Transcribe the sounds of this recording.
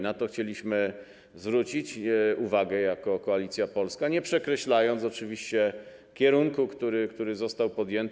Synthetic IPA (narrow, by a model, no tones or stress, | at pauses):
nat̪ɔxt͡ɕelʲiɕmɘ | zvɾut͡ɕit͡ɕuvaɡɛjakɔkɔalʲit̪sʲjapɔlskaɲɛpʂɛkɾɛɕlajɔnt̪sɔt͡ʂɘvʲiɕt͡ɕɛ | kʲɛɾuŋkukt̪uɾɘkt̪uɾɘzɔst̪awpɔd̪jɛnt̪